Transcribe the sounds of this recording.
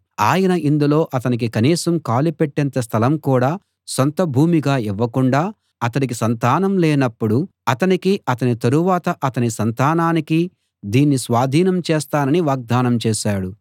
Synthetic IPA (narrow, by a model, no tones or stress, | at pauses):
aːjɐnɐʔind̪ulo̞ːʔɐt̪ɐnik̬ikɐniːsɐmkaːlipeʈːɛnt̪ɐs̬t̪ʰɐlɐmkuːɽaː | sont̪ɐbʱuːmiɡaːiʋːɐkuɳɖaː | ɐt̪ɐnikisɐnt̪aːnɐmlɛːnɐpːuɽuɐt̪ɐnikiɐt̪ɐnit̪ɐɾuʋaːt̪ɐʔɐt̪ɐnisɐnt̪aːnaːniki | d̪iːnːisʋaːd̪ʱiːnɐmt͡ʃeːst̪aːnɐniʋaːɡ̚d̪aːnɐmt͡ʃeːʃaːɽu